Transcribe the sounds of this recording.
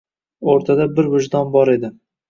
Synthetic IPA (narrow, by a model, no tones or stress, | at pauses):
oɾt̪ʰad̪abɪɾvʊʒd̪ɒnbɒɾe̞d̪ɪ